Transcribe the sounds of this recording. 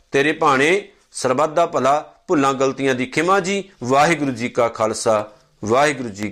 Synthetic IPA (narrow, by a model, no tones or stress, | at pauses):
t̪eːɾeːpaːɽ̃ẽː | səɾbaːd̪aːpəlaːpʊlːãːɡəlt̪ɪjãːd̪iːkʰɪmãːd͡ʒiːʋaːɦɪɡɾʊd͡ʒiːkaːkʰaːlsaː | ʋaːɦɪɡɾʊd͡ʒiː